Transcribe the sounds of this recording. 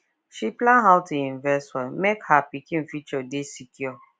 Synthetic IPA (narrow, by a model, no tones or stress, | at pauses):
ʃiplãnɦaʊtĩĩnvɛstwɔmekhapikĩnfit͡ʃɔdesikʰjɔ